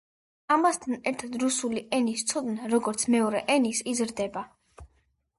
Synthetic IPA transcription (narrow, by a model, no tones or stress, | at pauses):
amast̪ʰanɛɾt̪ʰad̪ɾusuliʔɛnist̪sʰɔd̪naɾɔɡɔɾt̪sʰmɛɔɾɛʔɛnisizɾd̪ɛba